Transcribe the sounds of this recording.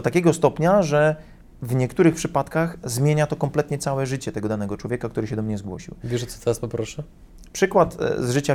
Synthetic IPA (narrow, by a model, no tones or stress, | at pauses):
ɔt̪akʲɛɡɔst̪ɔpɲaʐɛ | vɲɛkt̪uɾɘxpʂɘpat̪kaxzmʲjeɲat̪ɔkɔmplɛt̪ɲɛt̪sawɛʐɘt͡ɕɛt̪ɛɡɔd̪anɛɡɔt͡ʂwɔvʲjɛkakt̪uɾɘɕɛd̪ɔmɲɛzɡwɔ̰ɕḭwvʲɛʐɛt̪sɔ̥t̪ɛɾaspɔpɾɔʂɛ | pʂɘkwat̪zʐɘt͡ɕa